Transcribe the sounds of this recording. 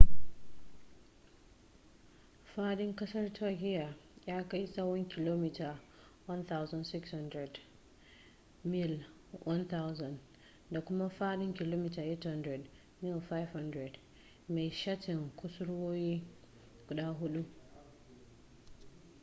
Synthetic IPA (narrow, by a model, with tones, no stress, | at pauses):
faː˦ɗɪ˦ŋkɐ˦sɐ˦rtʰa˦kʲɪ˦ja˨jaː˦ka˦jsa˦wɔ˦ŋkʲʰɪ˨loː˦mi˨ta˨ | wɐ˦nθa˦wza˨nsɪ˦ksha˦ndɾɛ˨d | mɪ˦l | wʔa˦nt̪a˦wzɐ˨n | da˨kʷʊ˦ma˦ɸaː˦ɗɪ˦ŋkʲɪ˨loː˦mi˦ta˨ʔe˦tha˦ndɾɛ˨d | mɪ˦lfa˦jfha˦ndɾɛ˨d | me˨jʃa˦tɪ˨ŋkʷʊ˦sʊ˦ɽwoː˦jiː˦ | ɡ̥ʊ˨ɗaː˦ɦʊ˦ɗu˦